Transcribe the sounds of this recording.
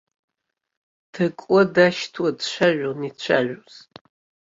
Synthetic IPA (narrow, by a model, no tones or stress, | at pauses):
tʰɐkʷʼɔdaʃtʰwɐdʃʷʰaʒʷᶣonit͡ʃʷʰa̰ʒʷᶣoz̥